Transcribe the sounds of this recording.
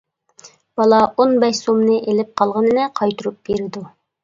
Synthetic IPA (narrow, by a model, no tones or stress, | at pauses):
b̥ɑlˠɑonbɛʃsomnɨʔelɪp̚qʰɑlˠʁənɨnɛqʰɑjt̪uɾup̚b̥eɾɪd̪u